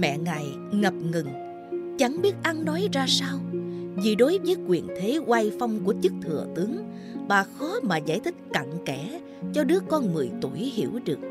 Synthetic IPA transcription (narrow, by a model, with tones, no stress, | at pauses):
mɛ̰˧˨ŋa˨˩j | ŋə˨˩p̚ŋɨ˨˩ŋ | t͡ɕa˧˩ŋɓi˦˥ət̚ʔa˧nnɔ˨˦jzaː˧saː˧wvi˨˩ɗo˨˦jvəː˨˦jkwi˨˩ənt̪ʰe˨˦ɣwa˧jfa˧wŋ͡mku˧˩ət͡ɕɨ˦˥k̚t̪ʰɨ˨˩ət̪ɨ˨˦əŋ | ɓaː˨˩xɔ˨˦maː˨˩zaː˧˩jt̪ʰï˦˥k̟̚ka̰˧˨ŋkɛ˧˩ | t͡ɕɔ˧ɗɨ˦˥əkɔ˧nŋɨ˨˩əjt̪u˧˩əjhi˧˩əwɗɨ˨˩ək̚